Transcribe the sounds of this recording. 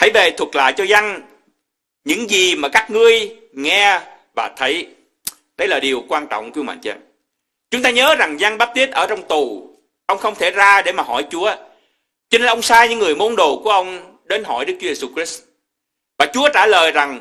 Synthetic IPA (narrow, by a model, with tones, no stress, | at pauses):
haə˧˩jve˨˩t̪ʰwə˨˩t̚la̰ː˧˨jt͡ɕɔ˧za˧ŋ | ɲɨ̰˧˥ŋzi˨˩maː˨˩kaː˦˥k̚ŋɨ˧əj | ŋɛ˧ | vaː˨˩t̪ʰə˨˦j | ɗə˧jlaː˨˩ɗi˨˩əwkwaː˧nt͡ɕɔ̰˧˨wŋ͡mkwi˨˧˦wma̰˧˨ŋt͡ɕə̰˧˩ | t͡ɕʊ˨˦ŋ͡mt̪aː˧ɲəː˨˦za˨˩ŋza˧ŋɓaː˦˥p̚t̪i˦˥ət̚ʔəː˧˩t͡ɕɔ˧wŋ͡mt̪u˨˩ | ʔə˧wŋ͡mxə˧wŋ͡mt̪ʰe˧˩zaː˧ɗe˧˩maː˨˩ɦɔ˧˩jt͡ɕu˨˦ə | t͡ɕɔ˧ne˧nʔə˧wŋ͡msaː˧ɲɨ̰˧˥ŋːɨ˨˩əjmo˨˦nɗo˨˩ku˧˩əʔə˧wŋ͡m | ɗe˨˦nɦɔ̰˧˩jɗɨ˦˥k̚t͡ɕu˨˦ze˧su˧kɾi˦˥s | vaː˨˩t͡ɕu˨˦ət͡ɕaː˧˩ləː˨˩jza˨˩ŋ